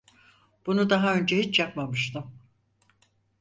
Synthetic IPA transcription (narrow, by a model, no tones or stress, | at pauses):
b̥unud̪aɦaø̞nd͡ʒɛhit͡ʃjapmamɯʃt̪ʰɯm